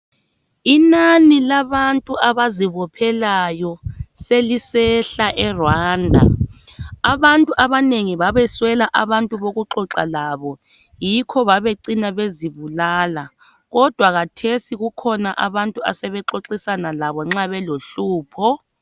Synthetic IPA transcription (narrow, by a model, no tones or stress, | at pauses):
inanilaβantʼuʔaβaziβɔpʰɛlajɔselisɛɬaʔɛrwaːndʱa̰ | aβantʼuʔaβaneŋiβaβɛswɛlaʔaβantʼuβoɣuǁɔǁalaβɔ | jikʰɔβaβeǀinaβeziβulaːla | ɣɔd̥ʱwaɣatʰesiɣukʰɔnaʔa̰βantʼuasɛβɛǁoǁisanalaβɔŋ͡ǁaβɛloɬuːpʰɔ